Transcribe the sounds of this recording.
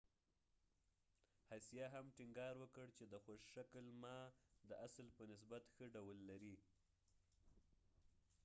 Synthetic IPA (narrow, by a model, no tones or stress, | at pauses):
hasijɑɦamʈɪŋɡɑɾwəkəɽt͡ʃed̪əxoʃʃaklmɑd̪əʔaslpənɪs̬bat̪xəɖawəlːaɾi